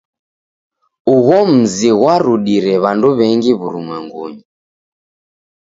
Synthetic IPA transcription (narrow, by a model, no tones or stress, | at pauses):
uɣɔm̩ziɣwaɾuɗiɾɛβanduβɛŋɡiβuɾumwɛŋɡuɲi